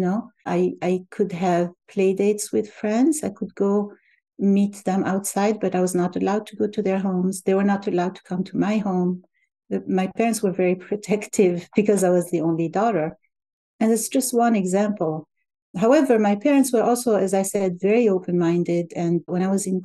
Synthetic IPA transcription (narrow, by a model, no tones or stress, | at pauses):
noʊʔaɪaɪkʰɨdɦɨvpʰleɪdeɪtswɪð̥fɹɛ̃ndzaɪkʰɨd̚ɡoʊ | mit̪ðɛ̃maʊtsaɪd̚bʌɾaɪwʌznəɾəlaʊd̚tʰuɡoʊtʰuðə˞ɦõʊ̃mzðeɪwə˞nətɨlaʊd̚tʰu̥kʰʌ̃mtʰumaɪhõʊ̃m | maɪpʰɛɹɨ̃ntswə˞vɛɹipʰɹ̥ɔtʰɛktʰɪvbɨkʌzaɪwʌzðiõʊ̃nlidɔɾə˞ | ɨ̃nðætsd̥d͡ʒ̥ʌst̚wʌ̃nɨɡzæ̃mpl̩ˠ | ɦaʊɛvə˞maɪpʰɛɹɨ̃ntswə˞ʔɔlˠsoʊɨzaɪsɛdvɛɹioʊpɨ̃nmãɪ̃ndɪdɨ̃nwɛ̃ñaɪwʌzɨ̃n